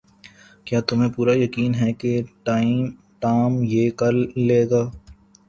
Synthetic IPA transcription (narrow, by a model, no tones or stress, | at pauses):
kjaːt̪ʊmẽpuːɾajɐkiːnɦɛkeʈaːim | ʈaːmjeːkɐɾleːɡaː